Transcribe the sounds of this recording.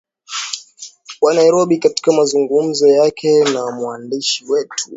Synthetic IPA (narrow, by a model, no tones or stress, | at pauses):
wanaiɾɔɓikati̥kamazuŋɡum̩zɔjakʰɛnamuandiʃiwɛtʰu̥